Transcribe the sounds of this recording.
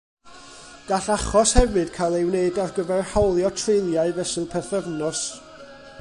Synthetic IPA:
ɡ̥aɬaχɔshɛvɨd̥kʰalˠewneɨdarɡəvɛrhawlˠjɔtʰrejlˠjaɨvɛsɨpʰɛθəvnɔs

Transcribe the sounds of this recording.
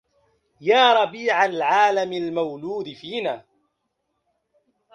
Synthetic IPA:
jaːɾˤɑbiːʕalʕaːlamalmawluːd̪ɪfiːnaː

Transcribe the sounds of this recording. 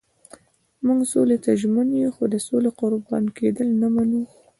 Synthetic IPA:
muŋɡsolet̪aʒmənjuxod̪əsoleqʊɾbɑ̰nked̪əlnamanu

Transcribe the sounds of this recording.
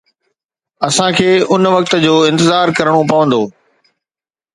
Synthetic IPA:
ɐsãkʰeːʊnʋɐk̚t̪ə̆d͡ʑoːɪ̃nt̪ɪzaːɾkɐɾəɽ̃opɐʋə̃nd̪oː

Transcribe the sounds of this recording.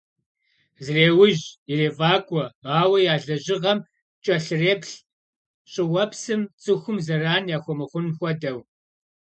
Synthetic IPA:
zreːwʊʑireːvaːkʷʼɔaːwɐjaːɮɐʑɪʁɐm | t͡ʃʼɐɬɨreːpɬ | ɕʼɪwɐpsɨmt͡sʼɨxʷʊmzɐraːnjaːxʷɔmɨχʷʊnxʷɔdɐw

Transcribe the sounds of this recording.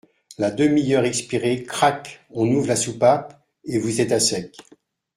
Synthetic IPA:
lad̪əmijœʁɛkspiʁekχakɔ̃nuvlasupap | evuzɛt̪asɛk

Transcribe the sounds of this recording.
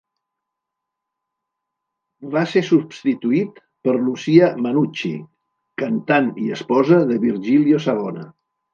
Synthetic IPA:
βasesubst̪it̪uit̪ | pəɾlusiəmənut͡ʃḭ | kənt̪aniəspɔzəðəβiɾʒiljosaɣɔnə̰

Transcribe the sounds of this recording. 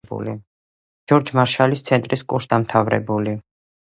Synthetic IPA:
bṵlḭ | d͡ʒɔɾd͡ʒmaɾʃalist̪sʰɛnt̪ʼɾiskʼuɾʃsd̪amt̪ʰavɾɛ̰buli

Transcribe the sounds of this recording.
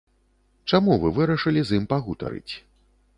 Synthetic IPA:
t͡ʂamuvɨvɨɾɐʂɨlʲizimpaɣut̪ɐ̰ɾɨ̰t͡sʲ

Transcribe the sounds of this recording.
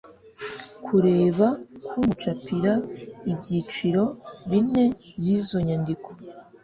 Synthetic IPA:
kʰuɾe̞ːβakumut͡ʃapiɾaibɟit͡ʃiɾo̞βine̞bɟizo̞ɲandikʰo

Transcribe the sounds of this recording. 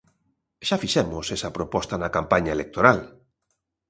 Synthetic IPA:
ʃafiʃɛmʊsesɐpɾopɔst̪anakampaɲaelek̚t̪oɾal

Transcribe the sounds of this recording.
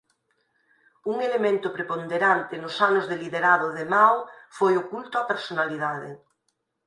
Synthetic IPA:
uŋelemẽnt̪ʊpɾepond̪eɾant̪ɪnʊsanʊzðeliðeɾað̞ʊðemawfojokult̪oapeɾsonaliðaðɪ̰

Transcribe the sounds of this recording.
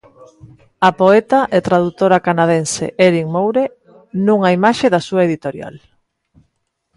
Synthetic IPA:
apoet̪aʔet̪ɾaðut̪oɾakanað̞ensḛʔeɾiŋmowɾe | nũŋaimaʃeðasuaeðit̪oɾja̰l

